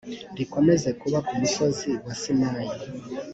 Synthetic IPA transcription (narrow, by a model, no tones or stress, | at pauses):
ndiko̞mezekuβakumuso̞ziwasimaːji